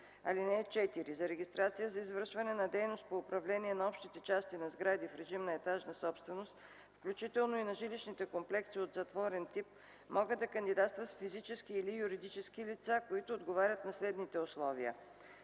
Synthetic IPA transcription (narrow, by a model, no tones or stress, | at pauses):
ɐlinɛt͡ʃɛt̪iɾizɐɾɛɡʲist̪ɾat̪sijəzɐizvəɾʃvɐnɛnɐd̪ɛjnost̪̚poʊpɾɐvlɛniɛnɐɔpʃt̪it̪ɛt͡ʃast̪inɐzɡɾad̪ifɾɛʒimnɐɛt̪aʒnɐsɔpst̪vɛnost̪ | fklʲut͡ʃit̪ɛlˠnoinɐʒiliʃnit̪ɛkomplɛksiot̪zɐt̪vɔɾɛnt̪ip̚ | mɔɡəd̪d̪ɐkənd̪id̪at̪st̪vət̪fizit͡ʃɛsk̟iːlijuɾid̪it͡ʃɛsk̟ilit̪sakoit̪ʊːd̪ɡovaɾʲət̪nɐslɛd̪nit̪ɛoslˠɔviə̰